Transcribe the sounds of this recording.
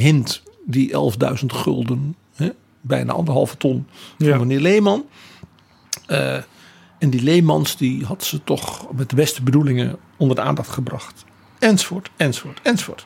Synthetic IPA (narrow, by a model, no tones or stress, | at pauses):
ɦɪntdiʔɛ̰lˠvdœ̰ɥzəntχɵ̰lˠdən | hɛ | bɛ̰jna̰ʔɑ̰ndərɦɑ̰lˠvətɔnfɑmənɪːɹlejmɑn | ɛndilejmɑnsdiɦɑtsətɔχmɛtəbɛstəbədulɪŋə̰ | ɔndərdəa̰ːndɑχtχəbrɑχt | ɛnzofʊːɹtɛnzofoːtɛnzofo̰ːt